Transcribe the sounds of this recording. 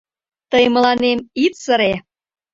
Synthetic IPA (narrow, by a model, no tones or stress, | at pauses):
t̪əjmə̆lɑnemit̪sə̆ɾe